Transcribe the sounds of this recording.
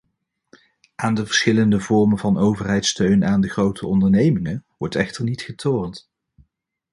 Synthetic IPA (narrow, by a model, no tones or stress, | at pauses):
ʔaːndəvəɹsχɪləndəvɔɹmənvɑnowvərɦɛjtstøɥnaːndəχrowtʰəɔndəɹnejmɪŋəʋɔɹtɛχtəɹnitχətʰoːɹnt